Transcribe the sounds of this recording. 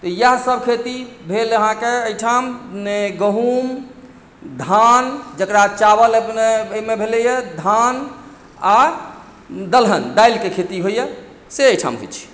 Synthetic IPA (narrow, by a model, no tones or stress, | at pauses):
t̪ɔjəɦsəbʱkʰet̪ibʱeləɦãkeəjʈʰamneɡəɦum | d̪ʱand͡ʒəkɾat͡ʃabələnemebʱelɛjed̪ʱan | a | d̪əlɦənd̪ajlkekʰet̪iɦoje | seəjʈʰa̰mɦo̰jt͡ʃʰi̥